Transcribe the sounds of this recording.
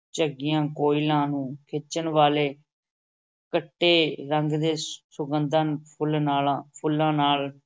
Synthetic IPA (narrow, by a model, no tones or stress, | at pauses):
t͡ʃəɡɪjãːkoːilãːnũːkʰɪt͡ʃənʋaːleː | kəʈːeːɾəŋɡd̪eːsʊɡənd̪ənpʰʊlnaːlãːpʰʊlːãːnaːl